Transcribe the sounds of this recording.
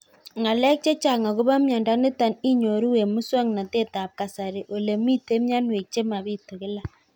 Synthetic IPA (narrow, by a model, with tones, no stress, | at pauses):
ŋa˨lɛ˦k̚t͡ʃe˦t͡ʃa˨ŋa˨kʊ˦ba˦mja˨nda˦nɪ˦ta˨ni˦ɲo˨ɾu˦we˨mʊ˦swɔ˦ŋna˨te˦ta˨p̚ka˨sa˨ɾe˨ʔo˨le˨mi˦te˦mja˦nwe˨k̚t͡ʃe˦ma˨bi˦to˨kɪ˦la˦